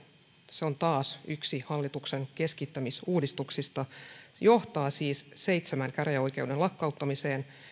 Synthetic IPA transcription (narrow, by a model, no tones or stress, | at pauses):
seo̞nt̪ɑːsyksihɑlːit̪ukseŋke̞skit̪ːæmisuːdist̪uksist̪ɑjo̞ht̪ɑːsiːsse̞jt̪semæŋkærjæo̞jke̞uwdelɑkːɑut̪ːɑmiseːn